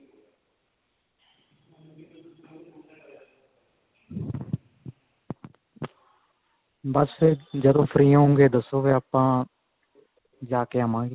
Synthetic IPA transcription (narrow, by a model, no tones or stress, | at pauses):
bəsd͡ʒəd̪õːpʰəɾĩːɦõːŋɡeːd̪əsːoːɡeːəpãː | d͡ʒaːkeːɦəmãːe